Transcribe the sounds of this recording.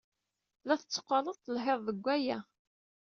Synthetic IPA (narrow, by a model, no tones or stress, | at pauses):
læθət͡sːə̥qːɑnəðt̪ˤːəlħeðˤðəɡʷːæjæ